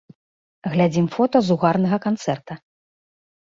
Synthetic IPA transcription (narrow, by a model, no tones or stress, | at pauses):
ɣlʲad͡zʲimfɔt̪ɐzuɣarnɐɣɐkant̪sɛrt̪ɐ